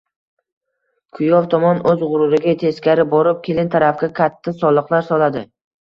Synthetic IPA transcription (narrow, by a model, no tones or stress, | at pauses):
kʰʊjɒvt̪ʰɒmɒnɵzʁʊɾʊɾɪɡʲat̪ʰe̞skʲaɾɪbɒɾɪp̚kʲʰe̞lɪnt̪ʰaɾafkʲakʲʰat̪ʰːasɒlˠɨqlˠaɾsɒlad̪ɪ